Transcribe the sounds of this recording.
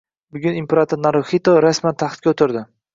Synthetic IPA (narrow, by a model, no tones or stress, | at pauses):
bʊɡʲʊnimpeɾat̪ʰoɾnaɾoxit̪oɾasmant̪ʰaχt̪̚kʲaot̪ʰɪɾd̪ɪ